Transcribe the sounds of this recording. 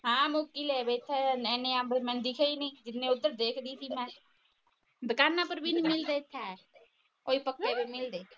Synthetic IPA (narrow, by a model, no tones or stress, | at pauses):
ɦãːmʊkːileːbeɪt̪ʰːɛːɛːneãːbəmɛ̃ːnd̪ɪkʰeːiːnəĩːd͡ʒɪnːẽːʊd̪ːəɾd̪eːkʰd̪iːsiːmɛ̃ː | d̪əkaːnːãːpəɾbʱiːnmɪld̪eːɪt̪ʰːɛ | oːiːpəkːeːbeːmɪld̪eː